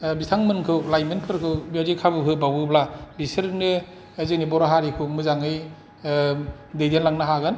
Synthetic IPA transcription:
bitʰaŋmɯnkʰɯlajmɯnkʰɯɾkʰɯbaɾikʰabɯkʰɯbawɯblabisɯɾnɯ | ezik̚nibɔɾaɦaɾikʰɯmɯzaŋɯj | dejdenlaŋnaɦaɡɯn

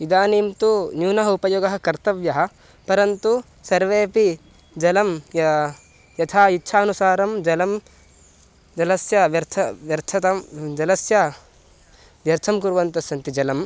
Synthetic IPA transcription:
id̪aːniːmt̪unjuːnɐɦɐupɐjoːɡɐɦɐ̆kɐɾt̪ɐʋjɐɦɐ̆ | pɐɾɐnt̪u | sɐɾʋeːpi | d͡ʒɐlɐm | jɐt̪ʰaːitːʃʰaːɐnusaːɾɐmd͡ʒɐlɐm | d͡ʒɐlɐsjɐʋjɐɾt̪ʰɐʋjɐɾt̪ʰɐt̪ɐmd͡ʒɐlɐsjɐ | ʋjɐɾt̪ʰɐmkuɾʋɐnt̪ɐsɐnt̪id͡ʒɐlɐm

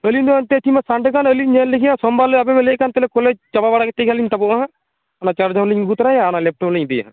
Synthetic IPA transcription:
əlind̪ɔant̪ɛt̪ʰimasaɳɖkanəliɲɛnlekʰijãsɔmbaləabɛmɛlɛʔkant̪ɛlɛkɔled͡ʒt͡ʃababaɽakɛt̪ɛkʰalint̪abɔʔaɦã | anat͡ʃaɾd͡ʒaɦləɲɡut̪ɾajaːnalɛp̚ʈɔləɲd̪ɛja̰ɦã̰

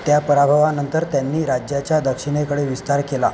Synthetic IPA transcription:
t̪japəɾabʱəʋanənt̪əɾt̪janːiːɾad͡ʑjat͡ɕjad̪əkʂiɽ̃ekəɽeʋist̪aɾkela̰

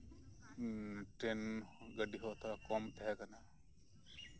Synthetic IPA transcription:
ʈenɡəɖiɦɔt̪ʰakɔmt̪ɛɦɛkana

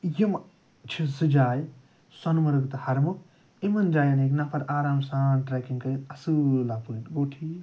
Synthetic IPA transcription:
jim | t͡ʃʰisɨd͡ʒaːj | sɐnmɐɾɨɡt̪ɐhɐɾmu | emɐnd͡ʒaːjɐneknapʰɐɾaːɾaːmsaːnʈɾakiŋkɐinɐsɨlapunɡoːʈʰi

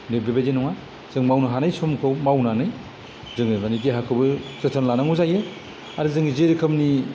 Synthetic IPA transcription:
nebebedenɔŋa | z̥ɯŋmawnaɦanajsɔmkʰɯwmawnanɯj | zɯŋɯmanideɦakʰɯbɯzetʰanlanaŋuzajɯ | aɾɯzɯŋizeɾikʰɯmni

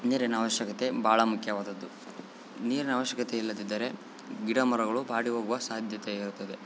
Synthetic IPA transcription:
niːɾɐnɐːʋɐʃjɐkɐt̪e̞bʱaːɭɐmukʰjɐʋaːd̪ɐd̪ːu | niːɾɐnɐʋɐʃjɐkɐt̪eilːɐd̪id̪ːɐɾe̞ | ɡiɽɐmɐɾɐɡɐɭubʱaːɽiɦoːɡuʋɐsaːd̪ʱjɐt̪eiɾut̪ːɐd̪e̞

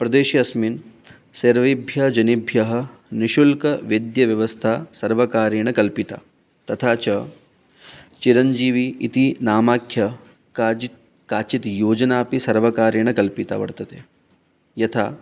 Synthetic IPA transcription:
pɾɐd̪eːʃiɐsmin | seɾʋibʱjɐd͡ʒɐnibʱjɐɦɐ̆niʃulkɐʋid̪jɐʋjɐʋɐst̪ʰaːsɐɾʋɐkaːɾeɳ̃ɐkɐlpit̪a̰ː | t̪ɐt̪ʰaːt͡ʃɐ | t͡ʃiɾɐnd͡ʒiːʋiːt̪inaːmaːkʰjɐ | kaːt͡ʃit̪joːd͡ʒɐnaːpisɐɾʋɐkaːɾjɐɳ̃ɐkɐlpit̪a̰ːʋɐ̰ɽt̪ɐt̪ʰeː | jɐt̪ʰaː

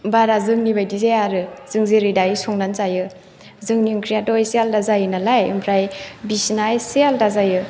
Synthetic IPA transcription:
baɾazɯŋnibajdizejaɾɯzɯŋzeɾidajisɔŋnant͡ʃajɯ | zɯŋnuŋkʰɾijatɔjsialdazajɯnalajɯ̰mpʰɾajbisnajsialdazajɯ

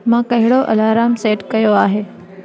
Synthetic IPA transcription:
mãːkɐɦɪɽoʔɐ̰laːɾaːmseːʈkɐjoaːɦeː

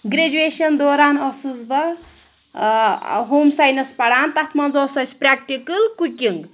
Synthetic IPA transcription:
ɡɾed͡ʒueʃɐnd̪oːɾaːnɔsɨzbɐ | ɦoːmsajnɐspɐɽaːnt̪ɐt̪ʰmɐnzɔsɐsʰʲpɾʲaːk̚ʈikɨlkukʲiŋɡ

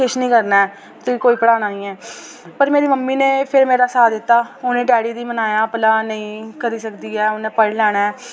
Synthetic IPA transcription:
ɪʃnĩːkəɾnaːɛː | t̪ʊiːkoːiːpəɽaːnaːnĩːɛː | pəɾmeːɾiːməmːiːnẽːpʰɪɾmeːɾaːsaːd̪ɪt̪ːaːoːnẽːɖɛːɽiːd̪iːmənaːjaːpəlaːnəĩːkəɾiːsəkd̪iːɛːʊnẽːpəɽlɛːɽ̃a

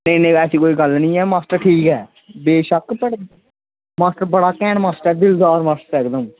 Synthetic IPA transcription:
nə̃ĩnə̃ĩɛːsiːkoːiːɡəlnəĩːɛːmaːsʈəɾʈʰiːkɦɛː | beːʃəkpəɽ | maːsʈəɾbəɽaːkɛːɳmaːsʈəɾɛːd̪ɪld̪aːɾmaːsʈəɾɛːkd̪ə̃ː

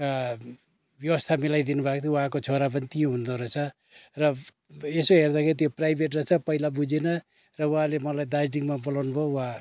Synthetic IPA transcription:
bjʌwʌst̪ʰamilajd̪inubʱakt̪ʰwɦãkot͡sʰoɾap̬ʌnit̪iõɦund̪oɾʌt͡sʰʌ | rʌ | esoɦerd̪akʰeɾit̪̬joprajbʱeʈrʌt͡sʰʌpʌilabud͡zenʌ | rʌwɦãlemʌlajd̪ajʈiŋmabʌlawnubʱowɦã

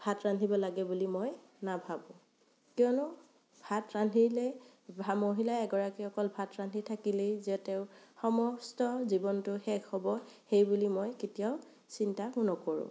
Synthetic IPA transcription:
bʱatɹandʱibɔlaɡɛbulimoj | nabʱabũ | kjɔnʊ | bʱatɹandʱilɛ | bʱamoɦilaɛɡɔɹakiɔkɔlbʱatɹandʱitʰakilejzɛtɛʊxɔmɔstɔzibɔntʊxɛkhɔbɔxejbulimojketijaʊ | sintakunɔkɔɹṵ̃

